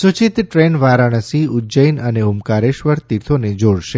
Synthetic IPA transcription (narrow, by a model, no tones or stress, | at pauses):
sut͡ʃit̪ʈɾenʋaɾaɽ̃əsiud͡ʒəjnəneɦumkaɾeʃʋəɾt̪iɾt̪ʰoned͡ʒoɽʃe